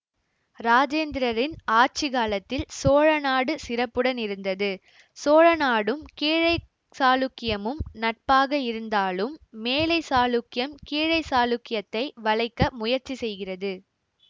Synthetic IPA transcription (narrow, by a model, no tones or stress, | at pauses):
ɾaːd͡ʒeːnd̪ɪɾɐɾɪnaːɾt͡ʃiɣaːlɐt̪ːɪlsoːɻɐnaːɽɯsɪɾɐpːɯɽɐnɪɾɯnd̪ɐðɯ | soːɻɐnaːɽɯmkiːɻɐɪ | saːlʊkːɪjɐmɯmnɐʈ̚paːɣɐɪɾɯnd̪aːlɯmːeːlɐɪsaːlʊkːɪjɐmkiːɻɐɪsaːlʊkːɪjɐt̪ːɐɪʋɐɭɐɪkːɐmʊjɐɾt͡ʃːisɛjɣɪrɐðɯ